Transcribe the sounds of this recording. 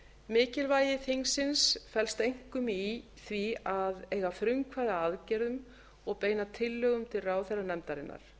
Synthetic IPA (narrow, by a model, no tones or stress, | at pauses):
mɪːcɪlvaːjɪθiŋsɪnsfɛlst̪ejŋ̥kʏmi | θviaðeːjɣafɾʏŋkʰvaðaaðcɛɾðʏm | ɔɣpeːjnat̪ʰɪlːœːɣʏmt̪ʰɪlraːwθɛrːanɛmt̪aɾɪnːa̰ɾ̥